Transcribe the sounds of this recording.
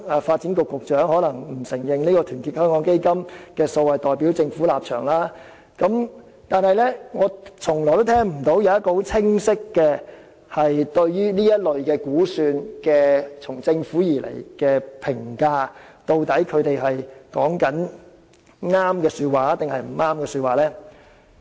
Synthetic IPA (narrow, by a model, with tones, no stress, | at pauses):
faː˧t̚t͡siː˨˥nkʊ˨kːʊ˨k̚t͡ʃœː˨˥ŋhɔː˨˥lɐ˨˩ŋm̩˨˩sɪ˨˩ŋjɪ˨ŋniː˥kɔː˧t̪ʰyː˨˩nkʰiː˧t̚hœː˥ŋkɔː˨˥ŋke˥jkɐ˥mkɛː˧sɔː˨˧wɐ˨jt̪ɔː˨jpiː˨˥wt͡sɪ˧ŋfuː˨˥laː˨p̚t͡ʃʰœː˨˩ŋlaː˥ | kɐ˨˥m | t̪aː˨nhɐ˨jlɛ˥ŋɔː˨˧t͡sʰʊ˨˩ŋlɔː˨˩t̪t̪ʰɛː˥ŋm̩˨˩t̪o˨˥wjɐ˨˧wɐ˥tkɔː˧ho˨˥wt͡sʰɪ˥ŋsɪ˥kːɛː˧ | hɐ˨jt̪ɵ˧ɥjyː˥niː˥jɐ˥t̚lɵ˨ɥkɛː˧kuː˨˥syː˧nkɛː˧t͡sʰʊ˨˩ŋt͡sɪ˧ŋfuː˨˥jiː˨˩lḛ˨˩jkɛː˧pʰɪ˨˩ŋkaː˧t̪o˧wt̪ɐ˨˥jkʰɵ˨˧ɥt̪e˨jɦɐ˨jkɔ̰ː˨˥ŋkɐ˨˥n | ŋaː˥mkɛː˧syː˧t̚waː˨˥t̪ɪ˨ŋhɐ˨jm̩˨˩ŋaː˥mkɛː˧syː˧t̚waː˨˩lɛː˥